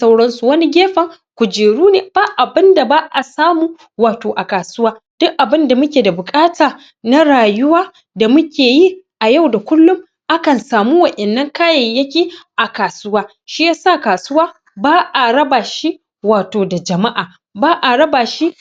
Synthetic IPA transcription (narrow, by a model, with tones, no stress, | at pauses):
sa˦wɽɐ˦nsu˨wɐ˦ni˦ɡʲeː˦ɸɐ˨ŋ | kʷʊ˨d͡ʒeː˨ɽuː˦neː˨baː˦ʔa˨bɪ˦nda˨baː˦ʔa˨saː˦muː˦ | waː˨toː˨ʔa˨kaː˨sʊ˦waː˦d̥ʊ˦ʔʔa˨bɪ˦nda˨mʊ˦kʲeː˨da˨bʊ˨kʼaː˦taː˨ | na˦ɽaː˨jʊ˦waː˦ | da˨mʊ˦kʲeː˨ji˦ʔa˨ja˦˨wda˨kʷʊ˦lːʊ˦m | ʔa˦kɐ˨nsaː˨muː˦wɐ˨ʔɛ˨nːɐ˦ŋkaː˦jɐ˨jjɐ˦kʲiː˦ʔa˨kaː˨sʊ˦waː˦ | ʃi˦jaː˦sa˦˨kaː˨sʊ˦waː˦ | baː˦ʔa˨ɽɐ˦baː˨ʃi˦ | waː˨toː˨da˨d͡ʒɐ˨ma˦ʔaː˨ | baː˦ʔa˨ɽɐ˦baː˨ʃi˦